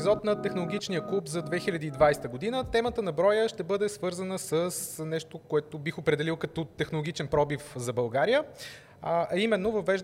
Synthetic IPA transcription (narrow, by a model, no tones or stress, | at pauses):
zɔt̪nɐt̪ɛxnolˠoɡʲit͡ʃnijəklˠupzɐd̪vɛxilʲɐd̪iːd̪vajst̪əɡod̪inət̪ɛmət̪ənɐbɾɔjəʃt̪ɛbɤd̪ɛsvɤɾzənəsəsnɛʃt̪okoɛt̪ʊbixopɾɛd̪ɛlilˠkɐt̪ɔt̪ɛxnolˠʊɡʲit͡ʃɛnpɾɔbifzɐbɐlˠɡaɾijə | ɐimɛnːovɐvːɛʒ